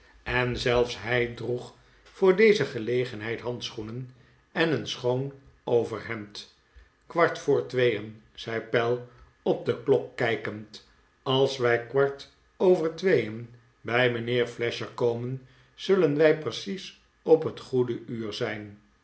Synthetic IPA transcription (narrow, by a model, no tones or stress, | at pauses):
ɛnzɛlˠfsɦɛjdruχ | fʊːɹdejzəχəlejχənɦɛjtɦɑnt̪sχunən | ɛnənsχown | owvəɹɦɛmt | kʋɑɹtfʊːɹtʋejən | z̥ɛjpɛlˠ | ɔp̚d̪əklɔkːɛjkənt | ɑlˠsʋɛjkʋɑɹt | owvəɹtʋejən | bɛjmənɪːɹflɛʃəɹkowmən | z̥ɵlənʋɛjprəsis | ɔpɦətχudəyːɹzɛjn